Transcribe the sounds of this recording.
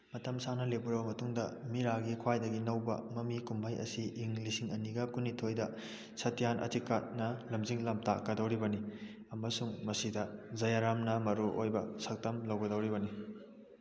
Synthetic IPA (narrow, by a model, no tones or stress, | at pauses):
mɐtɐmsanɐlepuɾɐbɐmɐtuŋdɐ̰miɾaɡikʰwajdɐɡinɐwbɐ̰mɐmikumbʱɐjɐ̰siʔːŋlisiŋɐniɡɐkunːitʰojdɐ | sɐtʰijanʔɐ̰tikːat̚nɐlɐmziŋlɐm̚ta̰kɐdɐwɾibɐni | ɐmɐsuŋmɐsidɐzɐjaɾamnɐmɐɾuʔojbɐsɐk̚tɐmlɐwɡɐdɐwɾibɐni